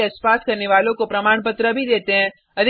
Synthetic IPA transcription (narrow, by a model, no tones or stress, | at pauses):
eɐspaːskɐɾneʋaːlõkopɾɐmaːɽ̃pət̪ɾəbʱid̪eːt̪eɦɛ̃ | ɐd̪ʱ